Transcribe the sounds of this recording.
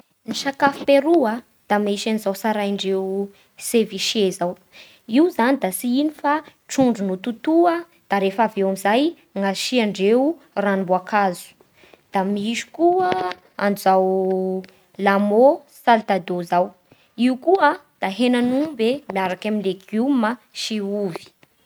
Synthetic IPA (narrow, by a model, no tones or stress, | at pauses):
niʃakafi̥peɾuə | d̪̥amaiʃanizawsaɾajɳɖ͡ʐewu | seviʃezaw | iwzanid̪asiinifaʈ͡ʂuɳɖ͡ʐunut̪ut̪uə | d̪̥aɾefavewamizaj | ŋaʃiaɳɖ͡ʐewu | ranibuakazu̥ | d̪̥amiiʃu̥kuə | anzaw | lamo | salt̪ad̪ozaw | iukuəd̪̥aɦenanubemiaɾakamilekumaʃiuvi̥